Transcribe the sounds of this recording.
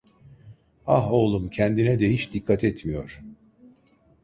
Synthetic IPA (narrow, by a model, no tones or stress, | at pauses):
aɦo̞ːlˠumcʰɛnd̪inɛd̪ɛhit͡ʃd̪ikʰːat̪ʰɛt̪mijo̞ɾ̥